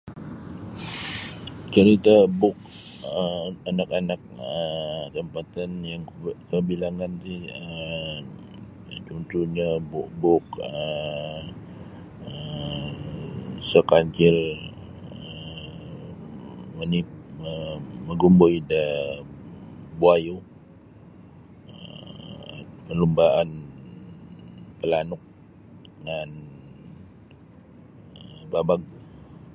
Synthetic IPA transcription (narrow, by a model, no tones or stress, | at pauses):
t͡ʃəɾit̪abʊk̚ | anakanak̚ət̪əmpat̪ɛnjaŋkəbilaŋant̪iə | t͡ʃunt̪uɲabubʊkə | ə | səkaɲt͡ʃɪr | ə | mənip̚əməɡumbojdə | buajo | ə | pəlumbaʔan | pəlanʊk̚ | ŋan | əbabaɡ̚